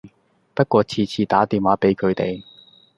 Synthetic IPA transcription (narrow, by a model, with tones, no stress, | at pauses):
pɐ˥t̚kʷɔː˧t͡sʰiː˨˧t͡sʰiː˨˩t̪aː˨˥t̪iː˨nwaː˨˧˥pe˨˥jkʰɵ˨˧ɥt̪e˨j